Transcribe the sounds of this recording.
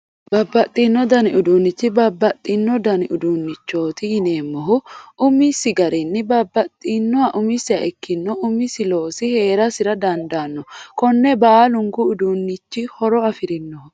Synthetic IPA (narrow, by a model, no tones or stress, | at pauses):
bɐbːɐt̪ʼːinːɔd̪ɐnɪʊd̪uːnːɪt͡ʃːɪbɐbːɐt̪ʼːɪnːɔd̪ɐnɪʔʊd̪unːɪt͡ʃːo̞ːt̪ɪɪne̞ːmːɔɦʊʊmɪsɪɡɐɾɪnːɪbɐbːɐt̪ʼːinːɔɐʔʊmɪsːɪɐʔɛkːɪnːɔʊmɪsɪlo̞ːsɪhe̞ːɾɐsɪɾɐd̪ɐnd̪aːnːɔkɔnːɛbaːlʊŋɡʊːd̪unːɪt͡ʃːɪhɔɾɔɐfɪɾɪnːɔhʊ